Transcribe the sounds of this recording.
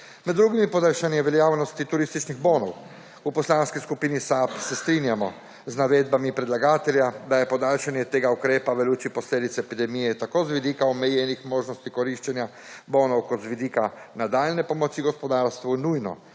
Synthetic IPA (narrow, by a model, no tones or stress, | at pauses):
mɛd̪ːɾuɡimipɔd̪alʃanijɛʋɛljaːwnɔst̪it̪uɾiːst̪it͡ʃniɣbonɔw | upɔslaːnskiskupiːnisapsɛst̪ɾiːnjamɔ | znaʋeːd̪̚bamipɾɛd̪laɡaːt̪ɛljad̪ajɛpɔd̪alʃanjɛt̪eːɡaukɾeːpaʋɛluːt͡ʃipɔsleːd̪it̪sɛɛpid̪ɛmijɛt̪akozʋid̪iːkaɔmɛjɛnixmoːʒnɔst̪ikɔɾiʃt͡ʃɛnja | boːnɔwkɔd̪zʋid̪iːkanad̪aːlnɛpɔmɔt͡ʃiɡɔspɔd̪aːɾst̪ʋunujnɔ̰